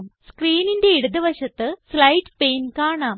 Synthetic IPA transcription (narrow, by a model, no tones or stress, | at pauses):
mskriːninde̞iɽuðɐʋɐɕɐt̪ːɨslɐjʈpe̞ːnkaːɳaːm